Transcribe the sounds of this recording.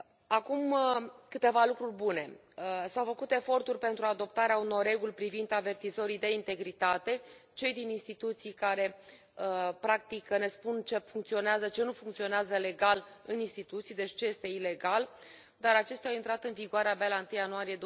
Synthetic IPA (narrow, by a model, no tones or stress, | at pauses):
akuməkɨt̪e̞valukɾurʲbune̞ | sawfəkut̪e̞fo̞rt̪urʲpe̞nt̪ɾuad̪o̞p̚t̪aɾeauno̞rre̞ɡulʲpɾivind̪ave̞rt̪izo̞ɾid̪e̞int̪e̞ɡɾit̪at̪e̞t͡ʃe̞jd̪ininst̪it̪ut̪sijkaɾe̞ | əpɾak̚t̪ikne̞spunt͡ʃe̞fuŋkt̪sio̞neazət͡ʃe̞nufuŋkt̪sio̞neazəle̞ɡalɨninst̪it̪ut̪sijd̪e̞t͡ʃʲt͡ʃeje̞st̪e̞ile̞ɡal | d̪aɾat͡ʃe̞st̪ɛawint̪ɾat̪ɨnviɡoaɾeabealaɨnt̪ɨjanuaɾije̞d̪o